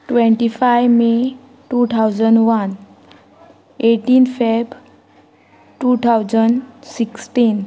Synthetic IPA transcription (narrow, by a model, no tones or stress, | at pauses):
ʈʋẽɳʈifajme | ʈut̪ʰawd͡zəɳɖʋan | eʈiːnfajb | ʈut̪ʰawd͡zəɳɖsiksʈin